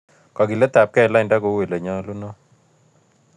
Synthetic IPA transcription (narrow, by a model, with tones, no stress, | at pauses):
kɔ˨ɡi˨lɛ˦t̪a˨p̚kɛ˦˨la˦ɪ˨nda˦ko˨˦we˨lə˨ɲɔ˦lu˦nɔ˦